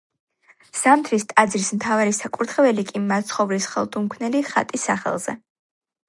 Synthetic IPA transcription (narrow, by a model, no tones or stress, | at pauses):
samt̪ʰɾist̪ʼad̪zɾismt̪ʰavaɾisakʼuɾt̪ʰχɛvɛlikʼimːat̪sχɔvlisχɛ̰lˠd̪umkʰvnɛliχa̰t̪ʼisaχɛ̰lˠz̥ɛ̰